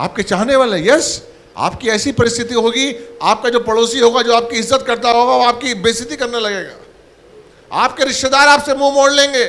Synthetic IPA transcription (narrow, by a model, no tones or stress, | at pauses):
a̰ːp̚ket͡ʃaːɦneʋaːleɦɛ̃jɛs | a̰ːpkiɛːsipɐɾɪst̪ʰɪt̪iɦoːɡiaːp̚kad͡ʒoːpɐɽoːsiɦoːɡad͡ʒoːaːp̚kiɪzːət̪kɐɾt̪aɦoːɡaʋoaːp̚kibɪːst̪ʰɪt̪ikɐɾnalɐɡeːɡa̰ː | a̰ːp̚keɾɪʃted̪aːɾaːpsemumoːɽlẽːŋɡeː